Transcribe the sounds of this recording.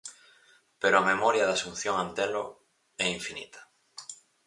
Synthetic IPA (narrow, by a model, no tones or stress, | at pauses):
peɾoamemɔɾjɐðasun̟θjoŋãnt̪ɛlʊ̰ | ɛiɱfinḭt̪ʰɐ̥